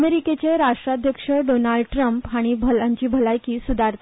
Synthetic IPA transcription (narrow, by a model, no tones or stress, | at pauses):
meɾiket͡ɕeɾaʂʈɾad̪ʱjəkʂəɖonalɖʈɾəmpɦaɽ̃ibʱəlaɲt͡ɕiːbʱəlajkiːsud̪ʱaɾt̪